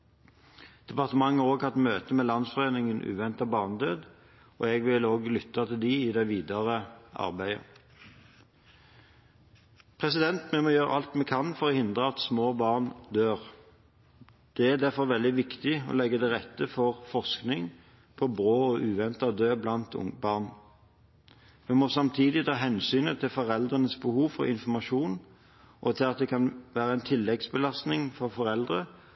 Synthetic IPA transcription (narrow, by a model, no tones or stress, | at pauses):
d̪̥ɛpɑʁt̪əmɑŋːəoːɡhɑt̪møːt̪əmeːlɑnsfɔʁeːnɪŋənʔʉ̰ːʋɛnt̪ɑbɑːʁnd̪øːd̪ | ɔːɛɡʋɪloːɡlʏt̪ːɑt̪ʰɪld̪iɪd̪ɛɪʋiːd̪ɑʁəʔɑ̰ʁbæɪə̰ | pʰʁɛsɪd̪ɛnt̪mɛmɔːjøːɾə̰ʔɑlt̪mɛkʰɑnfɔʁɔːhɪnd̪ʁəɑt̪smoːbɑːʁnd̪øːʁ | d̪̥ɛæʁd̪æʁfɔʁʋɛld̪ɪʋɪkt̪ɪɔ̰lɛɡːəd̪ɛʁɛt̪ːəfɔʁfɔʁsknɪŋ | pʰɔbʁoːɔʔʉːʋɛnt̪ɑd̪øːblɑnt̪ʊ̰ŋbɑːʁn | mɛmɔsɑmt̪ʰiːd̪ɪt̪ʰɑːɦɛnsyːnət̪ʰɪlfɔʁɛld̪ʁənəsbəhuːʋfɔ̰ʁɪ̰nfɔʁmɑʃuːn | ʔɔt̪ʰɪlɑt̪̚d̪ɛkʰɑnʋæːʁəæɛnt̪ʰɪlːɛɡsbəlɑst̪nɪŋfɔʁfɔʁɛld̪ʁə